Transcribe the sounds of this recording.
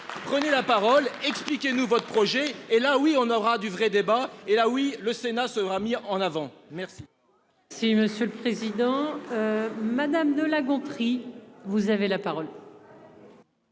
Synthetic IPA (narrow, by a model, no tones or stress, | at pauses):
pχənelapaʁɔlɛksplikʲenuvɔt̪χəpχɔʒɛelawiɔ̃nɔʁad̪yvʁɛd̪ebaelawiləsenasəʁamiɑ̃navɑ̃mɛʁsi | siməsjøləpχezid̪ɑ̃ømad̪amd̪əlaɡɔ̃t̪χivuzavelapaʁɔl